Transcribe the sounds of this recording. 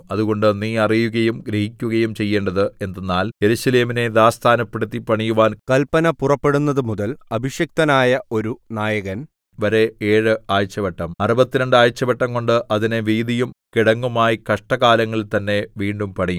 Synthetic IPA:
ɐðuɣo̞ɳɖɨniːɐrijuɣɐjumɡɾehikʲːuɣɐjumt͡ɕe̞jːe̞ːɳɖɐðɨe̞nd̪ɐnːaːlje̞ɾusɐle̞ːmine̞d̪aːst̪ʰaːnɐpːeɽut̪ːipɐɳijuʋaːnkɐlpɐnɐpurɐpːe̞ɽunːɐðɨmuðɐlɐbʱiɕjɐk̚t̪ɐnaːjɐo̞ɾunaːjɐɣɐn | ʋɐɾe̞eːɻɨaːjt͡ɕːɐbɐʈːɐmɐrubɐt̪ːinɐɳɖɨaːjt͡ɕːɐbɐʈːɐmko̞ɳɖɨʔɐðinɨʋiːd̪ijumkiɽɐŋːumaːjikɐʂʈɐɣaːlɐŋːɐɭt̪ɐnːe̞ʋiːɳɖumpɐɽɐju

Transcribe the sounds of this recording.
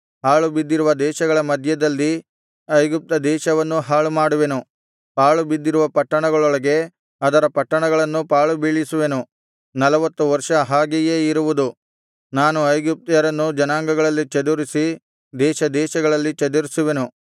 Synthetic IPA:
ɦaːɭubid̪ːiɾuʋɐd̪ɛːʃɐɡɐɭɐmɐd̪ʱjɐd̪ɐlːi | ɐjɡip̚t̪ɐd̪ɛːʃɐʋɐnːuɦaːɭumaːɽuʋe̞nu | paːɭubid̪ːiɾuʋɐpɐʈːɐɳɐɡɐɭɔɭɐɡe̞ | ɐd̪ɐɾɐpɐʈːɐɳɐɡɐɭɐnːupaːɭubiːɭisuʋe̞nu | nɐlɐʋɐt̪ːuʋɐɾʂɐɦaːɡijeːiɾuʋud̪u | naːnuɐjɡip̚t̪jɐɾɐnːud͡ʒɐnaːŋɡɐɡɐɭɐlːit͡ʃɐd̪uɾisi | d̪ɛːʃɐd̪ɛːʃɐɡɐɭɐlːit͡ʃɐd̪uɾisuʋe̞nu

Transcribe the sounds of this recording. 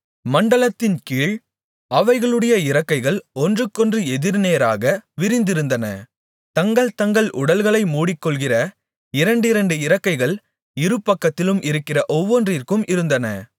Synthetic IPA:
mɐɳɖɐɭɐt̪ːɪnkiːɭ | ɐʋɐɪɣɐɭɯɽɐjɐɪɾɐkːɐɪɣɐɭɔndrɯkːɔndrɯɛðɪɾnejɾaːɣɐʋɪɾɪnd̪ɪɾɯnd̪ɐnɐ̰ | t̪ɐŋɡɐɭt̪ɐŋɡɐɭʔʊɽɐlɣɐɭɐɪmuːɽɪkːɔɭɣɪrɐ | ɪɾɐɳɖɪɾɐɳɖɯɪɾɐkːɐɪɣɐɭ | ɪɾɯpːɐkːɐt̪ːɪlɯmʔɪɾɯkːɪrɐʔɔʋːɔndrɪrkɯmɪɾɯnd̪ɐnɐ

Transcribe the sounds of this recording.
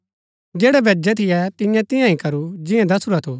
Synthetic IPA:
d͡ʒɛːɽɛbɛd͡ʒɛt̪ʰɪjɛt̪ɪ̃jãt̪ɪ̃jãĩkɐɾud͡ʒɪ̃ɛ̃d̪ɐsuɾat̪ʰo

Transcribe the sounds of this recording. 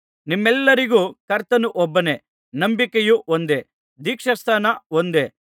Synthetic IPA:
nimːɛlːɐɾiɡuːkɐɾt̪ɐnuʔɔbːɐne | nɐmbikejuond̪e̞ | d̪iːkʂɐst̪ʰaːnɐond̪e

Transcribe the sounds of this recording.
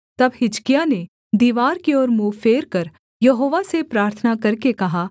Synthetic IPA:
t̪ɐbɦɪd͡ʒkijane | d̪iːʋaːɾkiɔːɾmuːfeːɾkɐɾ | jɐɦoːʋasepɾaːɾt̪ʰənakɐɾkekɐɦaː

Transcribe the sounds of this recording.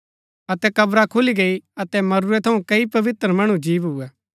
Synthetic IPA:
ɐt̪ɛkɐbɾakʰʊliɡeiɐt̪ɛmɐɾuɾɛt̪ʰɐũkɐipɐʋɪt̪ɾəmɐɽ̃ũd͡ʒiːʋɦuːɛː

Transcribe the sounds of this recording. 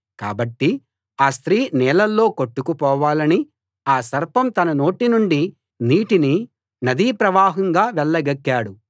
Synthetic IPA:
ka̰ːbɐʈːi | aːst̪ɾiːnɛːlɐlːo̞ːkoʈːukupɔːʋaːlɐni | aːsɐɾpɐmt̪ɐnɐno̞ːʈinuɳɖi | niːʈini | nɐd̪iːpɾɐʋaːɦɐŋɡaːʋɛɭːɐɡɐkːaːɽu

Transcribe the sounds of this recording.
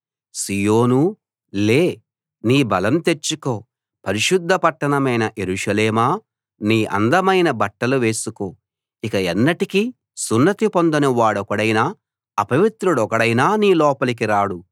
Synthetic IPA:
sijoːnu | le̞ː | niːbɐlɐmt̪e̞t͡ʃːuko̞ː | pɐɾiʃud̪ʱːɐpɐʈːɐɳɐmɐjnɐʔeɾuʂɐleːmaː | niːʔɐ̰nd̪ɐmɐjnɐbɐʈːɐluʋe̞ːsukoː | ikɐɛnːɐʈiki | sunːɐt̪ipond̪ɐnɐʋaːɽɔkɐɽɐjnaː | ɐpɐʋit̪ɾuɽɔkɐɽɐjnaːniːlɔːpɐlik̬iɾaːɽu

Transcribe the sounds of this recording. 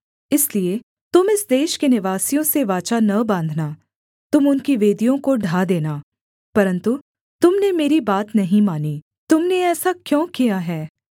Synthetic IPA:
ɪslie | t̪ʊmɪsd̪eːʃkenɪʋaːsijõseʋaːt͡ʃanɐbãːnd̪ʱna | t̪ʊmʊnkiʋeːd̪ijõkoɖʱaːd̪eːnaː | pɐɾə̃nt̪u | t̪ʊmnemeːɾibaːt̪nɐɦĩmaːni | t̪ʊmneɛːsakjõːkijaɦɛː

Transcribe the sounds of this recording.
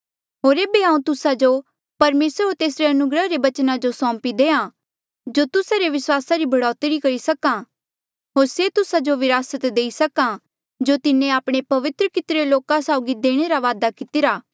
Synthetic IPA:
ɦoːɾeːbeɦãːũt̪ʊsad͡ʒo | pɐɾmeːsəɾɦoːɾt̪eːsɾeɐnʊɡɾəɦɾebɐt͡ʃnad͡ʒosɔ̃ːmpid̪eːã | d͡ʒot̪ʊsaɾeʋɪswaːsaɾibʱɐɽɔːt̪eɾikɐɾisɐkã | ɦoːɾset̪ʊsad͡ʒoʋɪɾaːsət̪d̪eːisɐkã | d͡ʒot̪ɪnẽaːpɽ̃epɐʋɪt̪ɾəkɪt̪ɾeloːkãsaːʊɡid̪eːɽ̃eɾaʋaːd̪akɪt̪ɪɾaː

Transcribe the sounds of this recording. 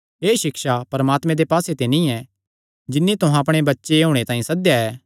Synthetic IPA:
ɦeːʃɪkʃapɐɾɐmaːt̪mẽd̪epaːset̪enĩɛ | d͡ʒɪnːit̪ʊɦãɐpɽ̃ebɐtːʃeɦoːɽ̃et̪ãːĩsɐd̪jaɛː

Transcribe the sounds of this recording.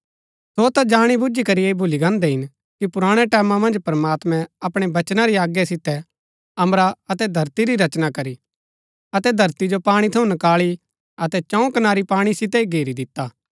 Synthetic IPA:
soːt̪ad͡ʒaːɽ̃ibʊd͡ʒikɐɾieːbʱʊliɡãːnd̪ɛɦɪn | kipʊɾaːɽ̃ɛʈɛːmãmɐ̃nd͡ʒpɐɾəmaːt̪mɛ̃ɐpɽ̃ebɐt͡ʃnaɾiaːɡjasɪt̪ɛ | ɐmɾaɐt̪ɛd̪ʱɐɾt̪iɾiɾɐt͡ʃnakɐɾi | ɐt̪ɛd̪ʱɐɾt̪id͡ʒopaːɽ̃it̪ʰɐũnɐkaːɭi | ɐt̪ɛt͡ʃɔ̃ːũkɐnaːɾipaːɽ̃isɪt̪̬ɛiɡʱeːɾid̪ɪt̪ːaː

